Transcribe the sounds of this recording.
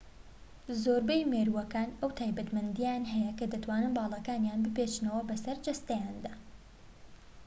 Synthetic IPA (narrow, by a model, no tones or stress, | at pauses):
zoːɾbejmeɾuwɐkaːnɐwt̪ʰaːjbɐt̪mɐnd̪ijanɦɐjɐkɐd̪ɐt̪waːnɨnbɑːlˠɑkaːnjaːnbɨpet͡ʃnɐwɐbɐsɐɾd͡ʒɐst̪ɐjaːnd̪aː